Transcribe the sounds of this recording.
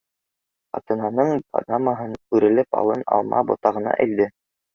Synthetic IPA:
qɑ̰t̪ɤ̆nɑnɤɴpʰa̰d̪amaɦɤnʉɾɘ̆lɘpɑ̰lˠɤnɑ̰lˠmɑ̰bŏt̪ɑʁɤ̆nɑ̰ʔæld̪ɘ

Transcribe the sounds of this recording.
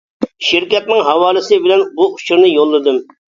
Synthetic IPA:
ʃɪɾkʲɛt̪̚nɪŋɦɑwɑːlˠɨsɪbɪlɛnbuut͡ʃʰuɾnɨjolˠːɨd̪ɨm

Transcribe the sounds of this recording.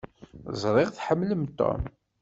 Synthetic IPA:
zˤɾˤɪʁθħəmːləmt̪ːo̰m

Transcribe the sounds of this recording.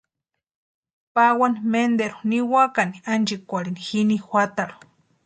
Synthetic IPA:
pawanimend̪eɾu̥niwakaniand͡ʒikʷaɾinixinixʷat̪aɾu̥

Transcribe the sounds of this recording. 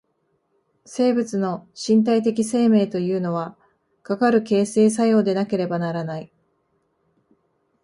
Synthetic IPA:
se̞ːbɯ̟t͡sɨno̞ɕĩnt̪̬ait̪e̞kʲise̞ːme̞ːt̪o̞jɯ̟ːno̞β̞a | kakaɾɯ̟ke̞ːse̞ːs̬ajo̞ːd̪e̞nake̞ɾe̞banaɾanai

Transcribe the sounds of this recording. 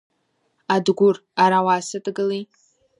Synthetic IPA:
adɡʷʊr | aɾawaːsɨtʼɡɨlej

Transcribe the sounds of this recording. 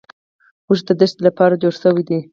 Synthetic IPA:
muʒd̪əd̪əʃt̪lapɑɾad͡ʒoɾsəwid̪i

